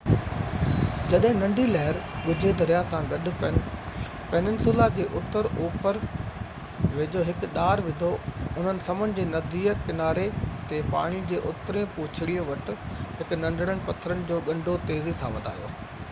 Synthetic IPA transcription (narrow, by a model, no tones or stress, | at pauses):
d͡ʑɐɗɦɪ̃nɐ̃ɳɖʱilɐɦɪɾɡʊd͡ʑʱed̪ʱɐɾijasãɡɐɗʊ̆ | penɪnsulad͡ʑeːʔʊt̪əɾoːpəɾ | ʋeːd͡ʑoːɦɪkɗaːɾʋɪ̃d̪ʱoʊn̤ənɪ̆sɐmənɪ̆d͡ʑeːnɐd̪iːəkɪnaːɾet̪epa̰ːɽ̃id͡ʑeːʔʊt̪ɾẽpʊːt͡ɕʰɪɽioʋɐʈ̆ɦɪkʊ̆nɐ̃ɳɖʱəɽ̃əɽ̃ɪ̆pɐt̪ʰəɾənɪ̆d͡ʑoːɡɐ̃ɳɖʱot̪eːzisã̰ʋɐd̪ʱa̰ːjo̰ː